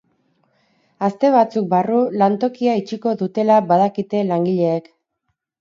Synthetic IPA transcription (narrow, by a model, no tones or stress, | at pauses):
ast̪e̞β̞at͡suk̚barulant̪o̞kiait͡ʃiko̞ðut̪e̞laβaðakit̪e̞laŋɡiʎe̞ːk